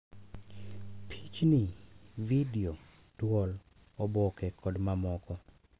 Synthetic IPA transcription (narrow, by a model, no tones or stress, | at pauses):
pʰit͡ʃnividio | twɔl | ɔbɔkɛkʰɔdmamɔkɔ